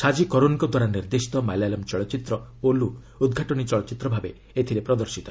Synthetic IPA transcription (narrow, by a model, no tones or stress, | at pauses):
sad͡ʒikɔɾonkɔd̪waɾaniɾd̪esi̥t̪ɔmajlalɔmt͡ʃɔɭɔt͡ʃit̪ɾɔolu | ud̪ɡʱaʈɔnit͡ʃɔɭɔt͡ʃit̪ɾɔbʱabe | et̪ʰiɾepɾɔd̪ɔɾsit̪ɔ